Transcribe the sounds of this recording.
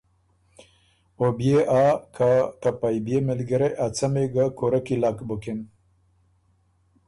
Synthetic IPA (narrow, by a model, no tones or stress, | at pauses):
objeʔaːkʰat̪apajbjemɪlɡəɾeʔat͡sameɡakoɾakilakbuken